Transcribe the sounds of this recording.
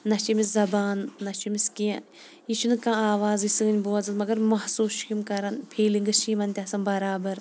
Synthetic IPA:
nɐt͡ʃimiszɐbaːnːɐt͡ʃʰimiskiã | it͡ʃʰunɨkãːaːʋaːzisɨŋɡɨnʲboːɐzɨt̪mɐɡɐɾmɐhsuːsʃkʲimkɐɾɐnpʰeːliŋɡɨʃimɐnt̪ʲasɐmbɐɾaːbɐɾ

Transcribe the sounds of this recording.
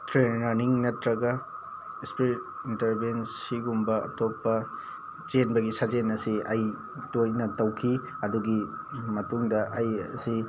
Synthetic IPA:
tɾenɾɐɾniŋnɐtɾɐɡɐ | ispɾitintɐɾbens | iɡumbɐɐ̰topːɐ | d͡ʒenbɐɡisɐd͡ʒenɐsiɐj | tojnɐtɐwkʰi | ɐduɡi | mɐtuŋdɐʔɐjsi

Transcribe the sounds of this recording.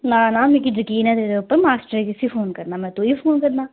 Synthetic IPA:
nãːnãːmẽːkid͡ʒəkiːnɛːt̪eːɾeupːəɾmaːsʈəɾekɪsifʰoːnkəɾnaːmɛ̃ːt̪uiːfʰoːnkəɾnaː

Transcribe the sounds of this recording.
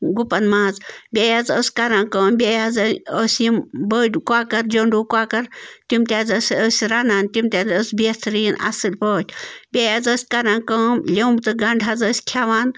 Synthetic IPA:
ɡupɐnmaːzbʲejazəːsʲkɐɾaːnkəːmbʲejazəːsʲimbəːdkwaːkɐɾd͡ʒoɳɖuːkwaːkɐɾt̪imt̪ʲazəːsʲəːsʲɾanaːnt̪imt̪ʲazəsʲbist̪ʰɾiːnɐ̰sɨlʲpəːt̪ʰʲbʲejazəːsʲkɐɾãːnkəːmlʲewmt̪ɨɡɐɳɖʱazəːsʲkʰaʋaːn

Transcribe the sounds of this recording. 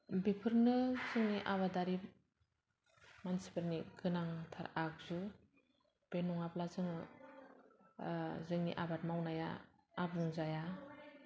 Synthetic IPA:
bipʰɯɾnɯzɯŋniʔaβadaɾip̚ | mansi̥pɯɾniɡɯnaŋtʰaɾak̚zu | b̥enɔŋaplazɯŋɯ | zɯŋnḭʔabat̚mawnaja̰ː | buŋzaja

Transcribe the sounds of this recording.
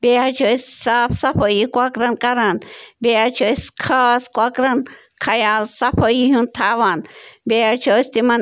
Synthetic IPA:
beat͡ʃʰossapsaɸʰəjikʷakɾankaɾanbeat͡ʃoiskʰaskʷakɾan | kʰajalsapʰəjihũnt̪ʰaβanbeat͡ʃʰost̪iman

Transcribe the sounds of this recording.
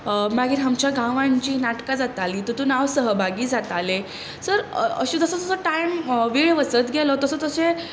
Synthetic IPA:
maɡiːɾɦamt͡ɕjaɡãʋãɲt͡ɕiːnaʈkad͡zat̪aliːt̪ət̪unaʋsəɦəbʱaɡiːd͡zat̪ale | səɾə̰ɕid͡z̪əsət̪əsəʈajmʋiɭʋəsət̪ɡʱelɔt̪əsət̪əse

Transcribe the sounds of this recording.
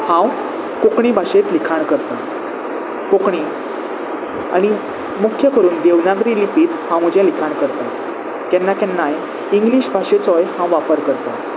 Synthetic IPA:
hãw | kokɳĩbʱaɕet̪likʰaɳkəɾt̪a̰ | kokɳi | a̰ɽ̃i | mukʰjəkəɾuːnd̪eʋnakɾilipiːt̪hãwm̤əd͡ʑɛ̃likʰaɳkəɾt̪a | kɛ̃nːakɛ̃nːaj | iŋɡliɕbʱaɕet͡sɔjhãwʋapəɾkəɾt̪a

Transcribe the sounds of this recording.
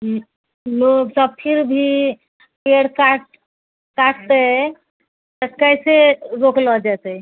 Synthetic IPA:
nosəb̚pʰiɾbʱi | peɽkaʈ | kaʈʰt̪ə | t̪əkəjseɾoklɔd͡ʒat̪ə

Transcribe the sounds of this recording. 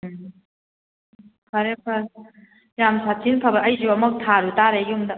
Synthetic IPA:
kʰaɾepʰa | jamsat͡ʃinpʰabɐʔɐjzuɐmɐk̚tʰaɾutaɾejumdɐ

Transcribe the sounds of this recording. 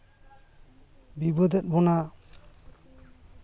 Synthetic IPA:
bibɔd̪ɛt̚bɔna

